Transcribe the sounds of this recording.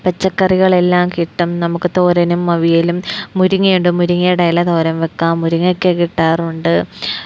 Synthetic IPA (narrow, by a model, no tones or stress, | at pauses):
pɐt͡ɕːɐkːɐriɣɐɭe̞lːaːmkiʈːɐmnɐmukːɨt̪oːɾɐnumːɐʋijilumːuɾuŋːijuɳɖɨmuɾuŋːɐɽɐjlɐt̪o̞ːɾɐmʋekːaːmːuɾuŋːɐkːekiʈːaːruɳɖɨ